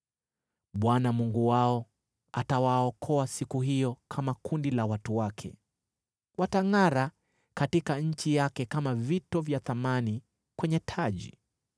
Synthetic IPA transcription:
ɓwanamuŋɡuwaɔ | atawaɔkʰɔasikuhijɔkʰamakundilawatuwakʰɛ̰ | wataŋaɾa | katikaɲ̩t͡ʃijakɛkamavitɔvjaθamani | kwɛɲɛtʰaʄḭ

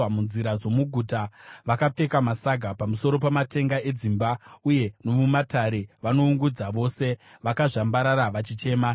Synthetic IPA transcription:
amunziɾad͡zo̞muɡʱuːtaʋakap͡fe̞kamasaɡʱapamuso̞ɾo̞p̬amate̞ŋɡae̞d͡zimbauje̞no̞mumataɾe̞ʋano̞uŋɡud͡zaʋo̞se̞ʋakaʐambaɾaɾaʋat͡ʃit͡ʃe̞ːma

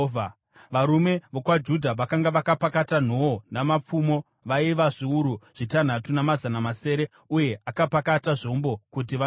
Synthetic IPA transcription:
ʋaɾume̞ʋokwad͡ʒudʱaʋakaŋɡaʋakapakatan̤oonamap͡fumo̞ | ʋaiʋaʐiuɾuʐ̥itan̤atunamazanamase̞ːɾe̞ | uje̞ʔakapakataʐombo̞kut̬iʋa

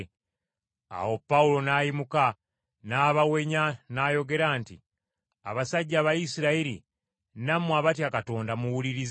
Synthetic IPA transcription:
a̰wo̞pːaulo̞najimuka | naːβawe̞ɲanajo̞ɡe̞ɾaːnti | a̰βasaɟːaːβajisiɾaiɾḭ | namwaβatjakato̞ːndamuwuliɾiz

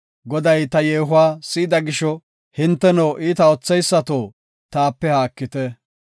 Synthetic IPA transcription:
ɡɔd̪ɐjt̪ɐjeːɦʊwaːsiːd̪ɐɡɪʃɔ | hɪnt̪ːɛnoːʔiːt̪ɐɔt͡sːɛjsːɐt̪oː | t̪aːpːɛhaːkːɪt̪ɛ

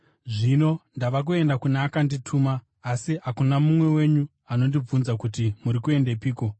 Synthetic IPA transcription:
ʐino̞ndaʋak̬ue̞ndakuneːkanditʰuːmaː | siɦakunamumwe̞we̞ɲu | ano̞ndib͡vunzakutimuɾikue̞ndepiːko̞

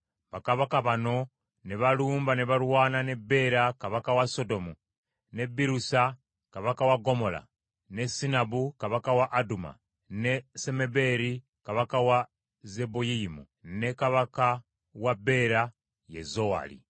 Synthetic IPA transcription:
βakaβakaβano̞ | neβaluːmbaneβalwaːnane̞be̞ɾakaβakawaso̞do̞mu | ne̞biɾusa | kaβakawaɡo̞mo̞la̰ | ne̞sinaβukaβakawaʔːduma̰ | nese̞me̞be̞ɾi | kaβakawa | zebojiimṵ | ne̞kaβaka | wabe̞ɾa | jḛzowa̰lḭ

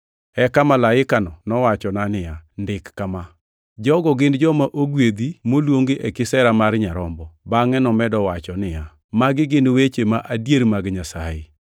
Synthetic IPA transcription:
ɛkamalaɪkanɔnɔwat͡ʃɔnanɪjandɪkːama | d͡ʒɔɡɔɡɪndd͡ʒɔmaʔoɡwed̪imolwoŋɡeʔɛkɪsɛɾamaɾɲaɾɔmbɔbaŋɛnɔmɛdɔwat͡ʃɔnɪja | maɡɪɡɪnwet͡ʃemaʔadjeɾmaɡɲasajɪ

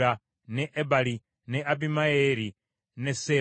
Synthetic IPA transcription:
a | nɛʔɛbali | nɛʔabimaeɾi | nɛsɛ

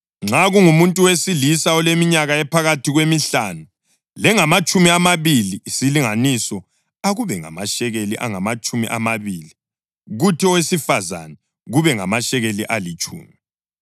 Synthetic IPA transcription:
ŋ͡ǁaɣuŋumuntʼuwesilisaɔlemiɲaɣaɛpʰaɣatʰiɣwemiɬanu | lɛŋamat͡ʃʼumiamaβiliːsiliŋanisɔ | aɣuβɛŋa̰maʃɛɣeliʔa̰ŋamat͡ʃʼumḭʔa̰maβiːli | ɣutʰiɔwesifaza̰nɛ | ɣuβɛŋa̰maʃɛɣeliʔalit͡ʃʼṵːmi

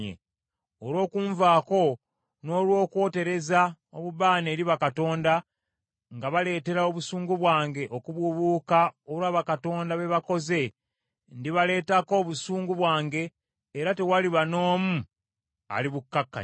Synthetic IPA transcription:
ḛ | olwo̞ːkuːɱvaːko̞ | no̞ːlwo̞ːkwo̞ːte̞ɾe̞za | oβuβaːneːɾiβakato̞ːnda | ŋɡaβale̞ːte̞ɾao̞βusuːŋɡuβwaːŋɡe̞ʔokuβwuβuːkaolwaːβakato̞ːndaβe̞βako̞ze̞ | ndiβale̞ːtako̞βusuːŋɡuβwaːŋɡe̞ː | ɾate̞waliβano̞ːmu | a̰liβukːakːa̰

